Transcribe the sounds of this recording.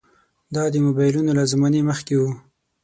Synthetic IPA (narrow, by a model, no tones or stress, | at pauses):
d̪ɑd̪əmobɑjlunolazmɑneməxkewu